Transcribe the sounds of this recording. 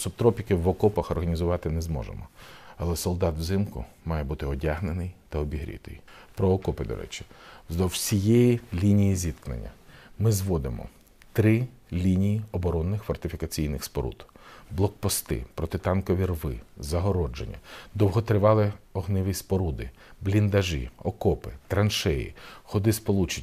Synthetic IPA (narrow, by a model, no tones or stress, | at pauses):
sɔpt̪ɾɔpʲikɪwːɔkɔpɐxɔrɦɐnʲizʊʋɑt̪ɪnɛzmɔ̰ʒḛmɔɐlˠɛsɔlˠd̪ɑt̪zɪmkʊ̰ | mɑjɛbut̪ɪɔdʲaɦnenɪjt̪ɐɔbʲiɦɾʲḭt̪ɪ̰jpɾɔɔkɔpɪd̪ɔ̰ɾʔɛ̰t͡ʃɪ̥zd̪ɔwsʲijejilʲinʲijizʲit̪knɐ̰nʲːɐ̰mɪzʋɔd̪ɪ̰mɔ̰ | t̪ɾɪ | lʲinʲijiɔbɔɾɔnːɪxfɔrt̪ɪfʲikɐt͡sʲijnɪxspɔɾṵd̪blˠɔk̚pɔst̪ɪ̰pɾɔt̪ɪt̪ɑnkɔʋʲirʋɪ̰zɐɦɔɾɔd͡ʒenʲːɐ̰d̪ɔwɦɔt̪ɾɪʋɑlˠɪɔɦnɪʋɪspɔɾud̪ɪ | blʲind̪ɐʒɪ̰ɔkɔpɪt̪ɾɐnʃɛjḭxɔd̪ɪspɔlˠut͡ʃe